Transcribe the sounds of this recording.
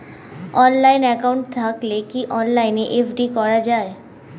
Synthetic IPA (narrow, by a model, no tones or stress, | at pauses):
ɔnlajnɛkauɳʈ̚t̪ʰaklekiʔɔnlajneʔefɖikɔɾad͡ʑae